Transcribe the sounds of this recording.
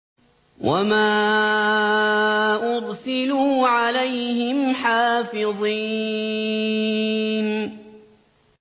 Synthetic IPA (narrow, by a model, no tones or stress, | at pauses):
wʔamaː | ʔʊɾsɪluːʕalajhɪmħaːfɪðˤi | n